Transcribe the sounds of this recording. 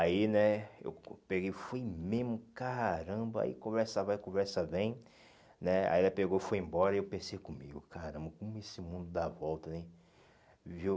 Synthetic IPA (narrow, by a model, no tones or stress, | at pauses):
ainɛḛwpeɡejfojmemʊkaɾɐ̃bɐa̰ḭkõvɛɾsɐvajkõvɛɾsɐbẽj̃ | nɛa̰ɛlɐpeɡowfojẽmbɔɾɐewpẽsejkõmḭɡʊkaɾɐ̃mbɐkõmʊesɪmũnd̪ʊd̪avɔwt̪ɐnɛ̃ | viw